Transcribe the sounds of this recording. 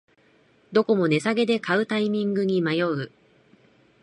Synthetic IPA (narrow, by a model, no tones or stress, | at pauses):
d̪o̞ko̞mo̞ne̞saɡe̞d̪e̞kaɯ̟t̪aimʲĩŋɡɯ̟ɲ̟imajo̞ɯ